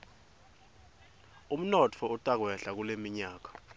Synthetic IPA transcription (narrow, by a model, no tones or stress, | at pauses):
um̩nɔt͡fʰɔutʼak̬wɛɬak̬ulemiɲaːk̬ḁ